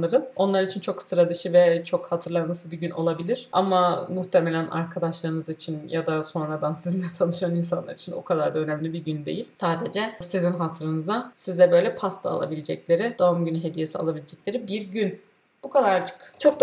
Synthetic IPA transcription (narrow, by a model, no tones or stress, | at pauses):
aɾɯno̞nlˠaɾit͡ʃʰint͡ʃʰo̞ksɯɾad̪ɯʃɯvɛt͡ʃʰo̞khat̪ʰɯɾlˠanmasɯbiɟyno̞̰lˠabilʲiɾ̥ʔa̰mamuht̪ʰe̞melʲæna̰ɾkʰad̪aʃlˠaɾɯnɯzit͡ʃʰinjad̪aso̞nɾad̪ansizinɛt̪ʰanˠɯʃanins̬anˠa̰ɾit͡ʃʰino̰kʰad̪aɾd̪aønæmlʲibiɟynd̪e̞jilʲsaːd̪ed͡ʒɛsizinɦasɾɯnɯzasizɛbø̞jlʲɛpʰast̪ʰaa̰lˠa̰bilʲed͡ʒɛclʲe̞ɾid̪oumɟynyɦe̞d̪ije̞sia̰lˠabilʲed͡ʒɛc̚lʲe̞ɾibiɾɟyn | b̥ukʰad̪aɾd͡ʒɯ̥kt͡ʃʰo̞k̚d̪